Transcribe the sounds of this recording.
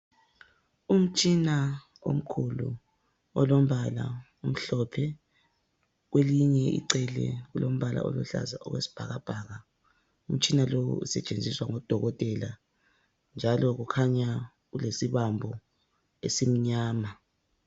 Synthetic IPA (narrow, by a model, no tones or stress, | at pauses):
um̩t͡ʃʼina | o̰m̩kʰulṵ | ɔlom̩βala̰ | um̩ɬɔpʰɛ | ɣweliɲɛʔḭǀɛlɛ̰ɣulom̩βala̰ɔluɬa̰za̰ʔɔɣwesi̥b̥ʱaɣab̥ʱaːɣa | um̩t͡ʃʼinalowṵṵsɛt͡ʃʼend͡zʱiswaŋɔd̥ʱɔɣɔtʼɛla | nd͡ʒʱalɔɣukʰaɲa | ɣulesiβambʱɔ | esim̩ɲaːma